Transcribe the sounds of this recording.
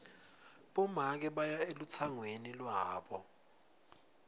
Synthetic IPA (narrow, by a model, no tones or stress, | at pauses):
ɓɔmak̬ɛɓajaelut͡sʰaŋwenilwaːɓɔ